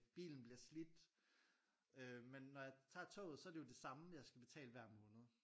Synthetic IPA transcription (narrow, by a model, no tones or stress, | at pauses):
b̥ḭːln̩b̥liɐslid̥ | ømenːɒjɑ̈ɪt͡sʰɑ̰̈ːt͡sʰɔ̰̽ːð̩ˠsɒ̽æɐdejo̝d̥e̝sɑ̈məjɑ̈ɪsɡ̥æb̥e̝t͡sʰɛ̰ːləʋæɐ̰mɔ̽ːnəð̩ˠ